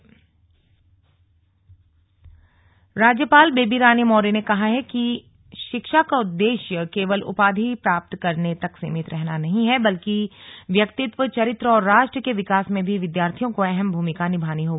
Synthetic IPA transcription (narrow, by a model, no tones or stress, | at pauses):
ɾaːd͡ʒjəpaːlbeːbiɾaːnjəmɔːɾenekɐɦaɦɛki | ʃɪkʃakaʊd̪ːeːʃjəkeːʋəlʊ̰paːd̪ʱipɾaːp̚t̪kɐɾnet̪ɐksɪ̰mɪt̪ɾʔɛɦnanɐɦĩɦɛbɐlkiʋjɐkt̪ɪt̪ʋət͡ʃɐɾɪt̪ɾəɔːɾːaːʃʈɾəkeʋɪkaːsmẽbʱiʋɪd̪jaːɾt̪ʰijõkoɛɦɛmbʱuːmɪkanɪbʱaːniɦoː